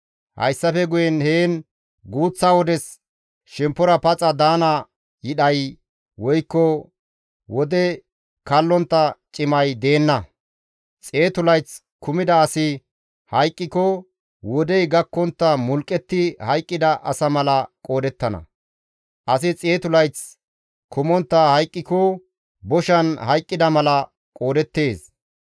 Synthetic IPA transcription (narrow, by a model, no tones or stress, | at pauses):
hɐ̰jsːɐfɛɡʊjɛnheːn | ɡuːt͡sːawɔd̪ɛs | ʃɛmpːɔɾɐpɐt͡sʼɐd̪aːnɐ | jɪɗɐj | wɔjkːɔ | wɔd̪ɛ | kɐlːɔnt̪ːɐt͡ʃʼɪmɐjd̪e̞ːnːɐ | t͡sʼe̞ːt̪ʊlɐjt͡s | kʊmɪd̪ɐːsɪ | hɐjkʼːɪkɔ | wɔd̪ɛjɡɐkːɔnt̪ːɐmʊlkʼːɛt̪ːɪhɐjkʼːɪd̪ɐʔɐsɐmɐlɐkʼo̞ːd̪ɛt̪ːɐnɐ̰ | ʔɐsɪt͡sʼe̞ːt̪ʊlɐjt͡s | kʊmɔnt̪ːɐhɐjkʼːɪkɔ | bɔʃɐnhɐjkʼːɪd̪ɐmɐlɐ | kʼoːd̪ɛt̪ːe̞ːs